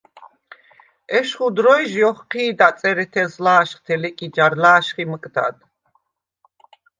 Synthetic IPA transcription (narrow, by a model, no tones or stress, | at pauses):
ɛʃχud̪ɾɔjʒjɔχqʰiːd̪at̪sʼɛɾɛt̪ʰɛzlaːʃχt̪ʰɛlɛkʼid͡ʒaɾlaːʃχiməkʼd̪a̰d̪